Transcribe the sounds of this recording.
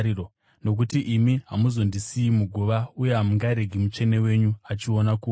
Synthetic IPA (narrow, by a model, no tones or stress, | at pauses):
iro | no̞k̬utiʔimiɦamuzo̞ndisiːmuɡʱuʋauje̞ɦamuŋɡaɾe̞ɡʱimut͡ʃe̞ne̞we̞ɲuat͡ʃio̞naku